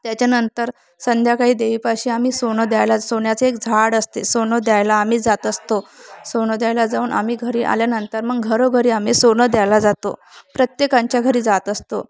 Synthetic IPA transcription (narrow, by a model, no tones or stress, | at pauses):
t̪jat͡ɕjanənt̪əɾ | sənd̪ʱjakaɦiːd̪eʋiːpaɕiːam̤iːsoɳəd̪jajlasoɳjat͡seekd͡zʱaɽəst̪esoɳəd̪jajlaːm̤iːd͡zat̪əst̪osoɳəd̪jajlad͡zauːnʔa̰m̤iːɡʱəɾiːʔa̰ljanənt̪əɾməɡɡʱəɾoɡʱəɾiːam̤iːsoɳəd̪jajlad͡zat̪o̰pɾət̪jekaɲt͡ɕjaɡʱəɾiːd͡zat̪əst̪o